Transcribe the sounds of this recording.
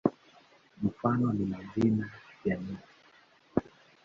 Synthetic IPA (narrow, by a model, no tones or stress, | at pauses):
m̩fanɔnimazinajjanisi̥